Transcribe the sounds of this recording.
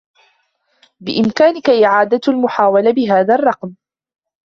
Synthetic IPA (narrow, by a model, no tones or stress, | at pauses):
bɪ̰ʔɪmkaːnɪkaʔɪʕaːd̪aalmʊħaːwalabɪɦaːðarˤːɑqm